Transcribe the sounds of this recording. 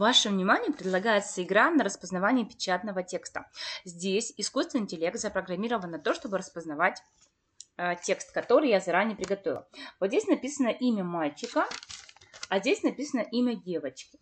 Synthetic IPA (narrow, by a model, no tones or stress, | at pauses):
vaʂɨvnʲɪmanʲɪjəpɾʲɪd̪lˠɐɡajɪt̪səɪɡɾanəɾəspəznɐvanʲɪəpʲɪ̥t͡ɕat̪nəvətʲe̞kst̪ə̰zʲdʲesʲɪskust̪vʲɪnɪtʲɪlʲe̞k̚t̪zəpɾəɡɾɐmʲiɾəvənːɐt̪o̞ʂt̪o̞bɨɾəspəznɐvatʲ | tʲe̞kst̪kɐt̪o̞ɾɨjazɐɾanʲɪjəpɾʲɪɡɐt̪o̞vʲɪ̰lˠvot̪zʲdʲesʲnɐpʲisənəʔimʲəmalʲt͡ɕɪkə | ɐzʲdʲesʲnɐpʲisənəʔimʲədʲevət͡ɕkʲɪ